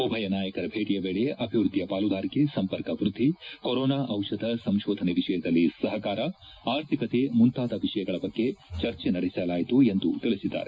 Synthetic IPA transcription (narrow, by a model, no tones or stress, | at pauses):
obʱɐjɐnaːjɐkɐɾɐbʱeːʈijɐbeːɭejeʔɐbʱiʋɾud̪ʱːijɐpaːlud̪ʱaːɾikesɐmpɐɾkɐʋɾud̪ʱːikoɾɔːnaːʔɐwʂɐd̪ɐsɐmʃɔːd̪ʱɐneʋiʂɐjɐd̪ɐlːisɐɦɐkaːɾɐ | aːɾt̪ʰikɐt̪emunt̪aːt̪ɐʋiʂɐjɐɡɐɭɐbɐɡːe̞t͡ʃɐɾt͡ʃenɐɽesɐlaːjt̪ue̞nd̪ut̪iɭisid̪ːa̰ːɾe